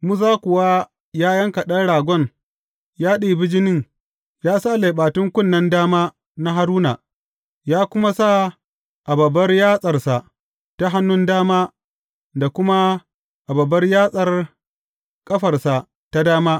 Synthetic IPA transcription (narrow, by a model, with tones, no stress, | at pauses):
mʊ˦s̬aː˦kʷʊ˨wa˦ | jaː˦jɐ˦ŋkɐ˨ɗɐ˦ɽaː˨ɡʷɔ˦n | jaː˦ɗi˨bɪ˦d͡ʒɪ˦nɪ˦˨ŋ | jaː˦sa˦˨leː˨ɓaː˨tʊ˦ŋkʷʊ˦˨nːɐ˦ndaː˦maː˦ | na˦ɦa˦ɾuː˦na̰˨ | jaː˦kʷʊ˦ma˦sa˦˨ | ʔa˨bɐ˨bːɐ˦rjaː˦sʼɐ˨rsa˨ | ta˦ɦa˦nːʊ˦ndaː˦maː˦ | da˨kʷʊ˦ma˦ | ʔa˨bɐ˨bːɐ˦rjaː˦sʼɐ˨r | kʼɐ˦ɸɐ˨rsa˨ | ta˦daː˦maː˦